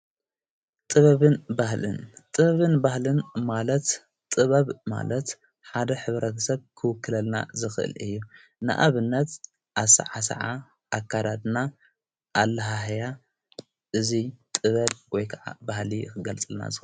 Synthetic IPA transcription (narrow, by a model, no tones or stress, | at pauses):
t̪ʼɨβɐβɨnbahlɨ̰nt̪ʼɨβɐβɨnbahlɨnmalɐt̪ | t̪ʼɨβɐβma̰lɐt̪ | ħad̪ɐħɨβɾɐt̪ʰɐsɐβkʰɨwɨkːɨlɐlna̰zɨxɨʔɨ̰lɨ̰jːu | nɨ̰ʔa̰βɨnːɐt̪ | ʔaβsɐ̰ʕasɐ̰ʕa | ʔakʰːad̪ad̪na | ʔːlːɐɦaɦja | ʔɨzit̪ʼɨβɐβwɔjkʰɐʕa̰bahlixɨɡɐlt͡sʼɨlna̰zɨx